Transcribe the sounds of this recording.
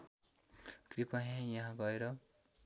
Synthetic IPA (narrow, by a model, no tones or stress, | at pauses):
kripaɦãjʌɦãɡʌeɾʌ